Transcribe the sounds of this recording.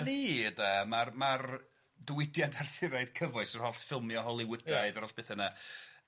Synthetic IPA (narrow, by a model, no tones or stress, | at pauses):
niədamarmar | dəwɪdjantʰarθɪɾaɨð̥kʰəvɔɨsɔr̥hɔɬfɪlˠmjɔɦɔlˠɪwədaɨðaɾɔɬb̥eːθəna